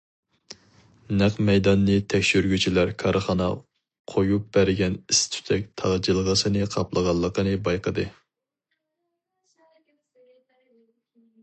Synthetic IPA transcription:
næqmɛjd̪ɑnːɨt̪ʰɛkʲʃyɾɡʲyt͡ʃʰilæɾkʰɑɾʔɨχɑnɑ̰ | qʰojup̚b̥æɾɪɡʲɛnist̪ʰy̥t̪ʰɛk̚ʲt̪ʰɑʁd͡ʒilˠəʁəsɨnɨqʰɑplˠəʁɑlˠːəqənɨbɑjqəd̪ɨ

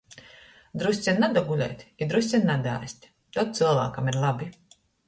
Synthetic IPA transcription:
d̪ɾusʲt̪sʲɛnʲːad̪ɔɡulʲɛ̰jt̪ʲid̪ɾusʲt̪sʲɛnːad̪a̰ːsʲt̪ʲ | t̪ɔt̪̚t̪sɨlˠva̰ːkamiɾlˠabʲi

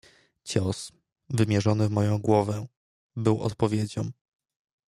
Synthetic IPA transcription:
t͡ɕɔs | vɘmʲjɛʐɔnɘvmɔjɔ̃w̃ɡwɔvɛ̃ | bɘwɔ̰t̪̚pɔvʲjed͡ʑɔ̃m

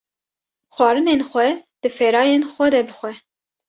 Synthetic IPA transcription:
xwɑːɾɨnenxʷɛd̪̥ɨfeːɾɑːjenxʷɛd̪ɛbɨxʷɛ

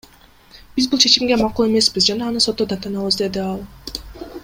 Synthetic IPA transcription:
b̥izbulˠt͡ʃʰe̞t͡ʃimɡe̞mɑqulˠe̞me̞sbizd͡ʒɑnɑːnɯso̞t̪ːod̪ɑt̪ɯnɑβɯzd̪e̞d̪iɑlˠ

